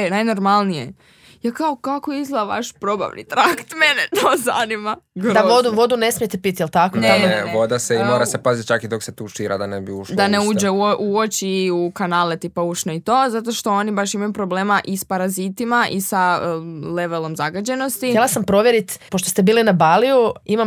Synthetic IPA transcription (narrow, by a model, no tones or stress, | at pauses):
najno̞ɾmalˠnijḛ | jakaokakoizlˠaʋa̰ʃpɾo̞ba̰ʋnḭt̪ɾakt̪menet̪oːza̰nimad̪aʋod̪uʋod̪unesmijt̪epit̪jelˠt̪akoneʋo̞d̪aseimoːɾassepazit̪̚ʲt͡ʃakid̪okset̪uːʃiːɾa̰d̪anebiuʃld̪aneuːd͡ʒeuoʔuot͡ʃiukanaːlet̪ipauʃnoit̪o̞ːzat̪̬o̞ʃt̪o̞onibaʃimajupɾobleːmaʔispaɾazit̪imaʔisaleʋelˠo̞mzaɡad͡ʑe̞no̞st̪ijelˠasampɾoʋjeɾit̪poʃt̪ost̪ebiːlinabalijuimam